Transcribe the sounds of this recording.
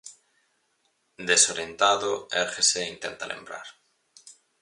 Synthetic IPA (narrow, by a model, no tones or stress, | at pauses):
d̪esoɾjent̪aðoeɾxeseint̪ent̪alḛmbɾa̰ɾ